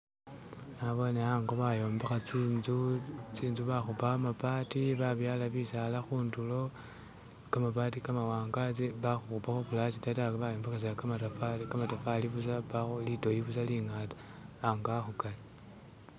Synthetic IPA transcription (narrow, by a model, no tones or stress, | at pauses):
naβo̞neaŋɡoβajo̞ːmbexat͡sinzut͡siːnzuβaxupamapatiβaβjalaβisalaxuːndulo̞ | kamapatikamawaːŋɡat͡siβaxuxupaxoβulat͡ʃitatakβajo̞ːmbexas̬akamatafakamatafaliβus̬aβalito̞jiβusaliŋatḁ | aŋɡaxukale